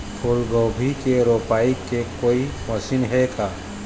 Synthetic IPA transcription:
pʰʊlɡoːbʱikeɾoːpaːikekoːimɐsinɦɛkʰaː

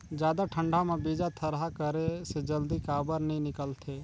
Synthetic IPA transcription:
d͡ʒjaːd̪aʈʰə̃ɳɖʱamẽbiːd͡ʒat̪ʰəɾɦakəɾesed͡ʒəld̪ikaːbəɾnəĩnɪkəlt̪ʰeː

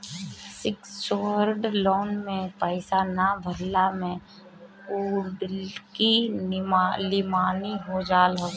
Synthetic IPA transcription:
sɪksʋəɾɖloːnmẽpəɪsanabʱəɾlamẽ | uːɖki | lɪmaːniɦod͡ʒaːlɦo

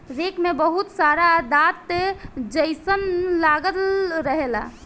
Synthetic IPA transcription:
ɾekmebəɦut̪saɾad̪at̪ːed͡ʒəjsənlaɡəlɾəɦela̰

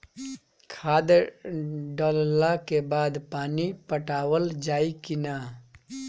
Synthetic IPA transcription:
kʰaːd̪ | ɖəllakebaːd̪paːnipəʈaːwəld͡ʒaːikɪna

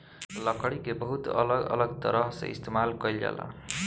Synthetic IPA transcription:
lʌkʌɽikebʌɦut̪ʌlʌɡʌ̰lʌɡt̪ʌɾʌɦsʌ̰ḭst̪emalkʌjlja̰la̰

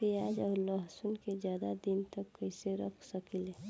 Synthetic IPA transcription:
piaːd͡ʒɔːɾləɦsʊnked͡ʒjaːd̪ad̪int̪əkːəɪseɾə̰kʰsəkile

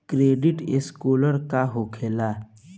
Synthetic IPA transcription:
kɾeːɖɪʈeskoːləɾkaɦokʰeːla

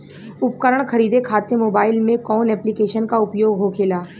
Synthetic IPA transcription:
ʊp̚kəɾəɽ̃kɐɾiːd̪ekʰaːt̪emoːbaːɪlmẽkɔːnɛːplikeːʃənkaʊpjoːɡɦokʰeːlaː

